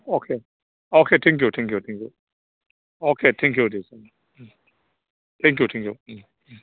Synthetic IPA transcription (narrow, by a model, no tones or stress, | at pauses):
okʰe | okʰet̪ʰɛ̃ŋk̬jut̪ʰɛ̃ŋkjut̪ʰɛ̃ŋkjṵ | okʰet̪ʰɛ̃ŋk̬judesɛn | t̪ʰɛ̃ŋk̬jutʰɛ̃ŋkjṵ